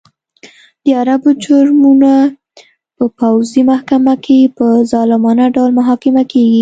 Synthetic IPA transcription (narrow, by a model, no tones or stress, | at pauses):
d̪̥əaɾabod͡ʒʊɾmuna | pəpawzimahkamakʰepəzɑlɪmɑnaɖawlmaɦɑkɪmakeɡi